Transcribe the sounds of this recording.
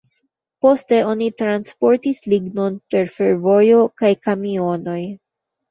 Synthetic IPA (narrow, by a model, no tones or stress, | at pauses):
po̞ste̞o̞nitɾanspo̞ɾtisliɡno̞npe̞ɾfe̞ɾvo̞jo̞kajkamio̞no̞j